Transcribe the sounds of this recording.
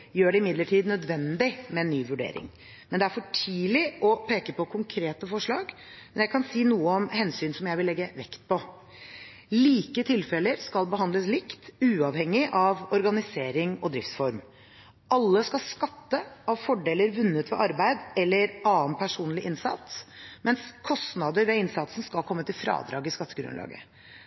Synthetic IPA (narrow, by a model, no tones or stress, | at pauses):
jøːɖɛɪmɪd̪ləʈʰiːd̪nœd̪ʋɛnd̪ɪmɛɛnːyːʋʉɖḛːɾɪ̰ŋ | mɛnd̪ɛæɾfɔʈʰiːlɪʔɔpʰeːkəpʰɔkʰʊŋkʰɾeːt̪əfɔʂɭɑːɡ | mɛnjæɪkʰɑnsiːnuːəɔmhɛnsyːnsɔmjæɪʋɪlɛɡːəʋɛ̰kt̪̚pʰɔ | liːkət̪ʰɪlfɛləɾskɑlbəɦɑnd̪ləslɪkt̪ʉːɑʋhɛŋːɪʔɑʋɔɾɡɑnɪseːɾɪŋɔd̪ɾɪft̪sfɔɾm | ʔɑlːəskɑskɑt̪ːəɑʋfɔɖeːləɾʋʉnːət̪ʋɛ̰ʔɑɾbæɪd̪ɛlːəɾʔɑːənpʰæʂuːnlɪʔɪnsɑ̰t̪smɛnskʰɔst̪nɑd̪əɾʋɛɪnsɑt̪sn̩skɑlkʰɔmːət̪ɪlfɾɑ̰ːd̪ɾɑ̰ːɡɪskɑt̪ːəɡɾʉ̰nlɑ̰ːɡə̰